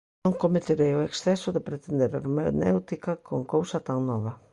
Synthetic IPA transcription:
nõŋkomet̪eɾejʊeksθɛsʊðepɾet̪end̪eɾa̰ɾmḛnḛwt̪ikakoŋkowsat̪aŋnɔβ̞ɐ

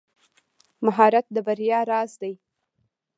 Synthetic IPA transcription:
maɦɑɾat̪̚d̪əbaɾijɑɾɑzd̪aj

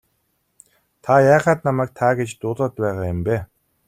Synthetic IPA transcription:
t̪ʰajaːχaːt̪namæːk̚t̪ʰaɡet͡ɕt̪ʊːɮăːt̪pæːʁaːjʊmpeː

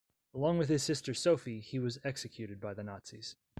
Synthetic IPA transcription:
əlɔ̃ŋwɨð̥ɨz̥sɪstə˞soʊfiiwʌzɛksɨkʰj̥ʉɾɨd̚baɪðɨnɑtsiz̥

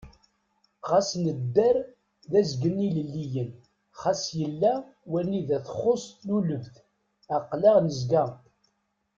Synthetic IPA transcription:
ʁasnəd̪ːəɾ | ðæzɡənːiləlːijən | χasjəlːæ | wænːiðæθəχːost̪luləvθ | æqlæʁnəzɡæ

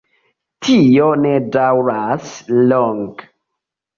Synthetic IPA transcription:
tʰijɔnɛdawɾaslɔŋɡ

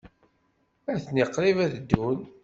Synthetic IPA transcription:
æθənɪqːɾivæðd̪ːun

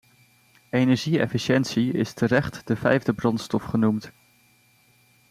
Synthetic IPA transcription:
ejnɛɹʒiɛ̰fiʃɛntsiɪ̰stʰərɛχtdəvɛjvdəbrɑntstɔfχənumt

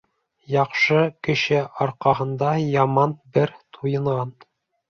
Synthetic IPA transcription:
jɑqʃɤkɘ̆ʃɘʔɑɾqɑɦɤ̆nd̪ɑjɑmɑnbɘɾt̪ʰujɤ̆ɴʁɑn

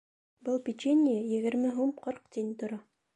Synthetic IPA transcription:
bɤlˠpʲit͡ɕenʲːɪjɘjɘ̆ɡɘ̆ɾmɘɦumqɤɾqt̪ʲenʲt̪ŏɾɑ

